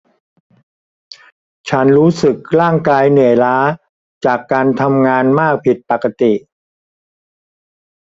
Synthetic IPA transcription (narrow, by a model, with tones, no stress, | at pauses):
t͡ɕʰa˦˥nɾuː˦˥sɯ˨˩k̚ɾaː˥˩ŋkaː˧jnɯ˨˩əjlaː˦˥ | t͡ɕaː˨˩kːaː˧nt̪ʰa˧mŋaː˧nmaː˥˩k̚pʰi˨˩t̪̚pa˨˩ka˧t̪i˨˩ʔ